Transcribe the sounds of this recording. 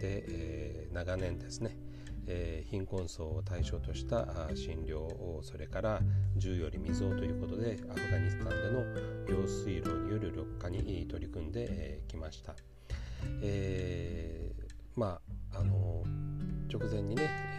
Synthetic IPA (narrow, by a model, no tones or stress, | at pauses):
d̪e̞ʔenaɡanẽ̞nd̪e̞sɨne̞ | çĩŋkõ̞ɰ̃so̞ːt̪aiɕo̞ːt̪o̞ɕi̥t̪aʔɕĩnɾʲo̞ːoso̞ɾe̞kaɾad͡ʑɨːjo̞ɾʲimʲizɨo̞ːt̪o̞jɯ̟ːko̞t̪o̞d̪e̞aɸɯ̟ɡaɲ̟isɨ̥t̪ãnd̪e̞no̞jo̞ːsɨiɾo̞ːɲijo̞ɾɯ̟ɾʲo̞kːaɲ̟iʔt̪o̞ɾʲikɯ̟̃nd̪e̞ʔkʲimaɕi̥t̪a | e | maːno̞ | t͡ɕo̞kɯ̟zẽ̞ɲ̟ːine̞